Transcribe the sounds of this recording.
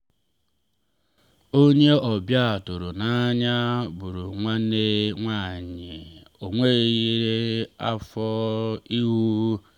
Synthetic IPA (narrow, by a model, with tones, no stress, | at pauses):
o˦ɲe˦ʔɔ˨bja˦a˨tʊ˨ɾu˨na˦ɲa˦bu˨ɾu˨ŋʷa˦ne˦ŋʷa˦˨ɲe˨ | o˨ŋʷe˦˨ɣi˨ɾe˦a˦fɔ˦i˦ɦu˦